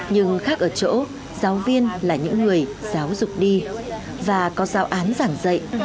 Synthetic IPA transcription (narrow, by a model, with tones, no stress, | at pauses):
ɲɨ˧ŋxaː˦˥k̚ʔəː˧˩t͡ɕo̰˧˥ | zaː˨˦wvi˧ənlaː˨˩ɲɨ̰˧˥ŋːɨ˨˩əjzaː˨˦wzʊ˨˩k͡p̚ɗi˧ | vaː˨˩kɔ˨˦zaː˨˦wʔaː˨˦nzaː˧˩ŋzə̰˧˨jʔ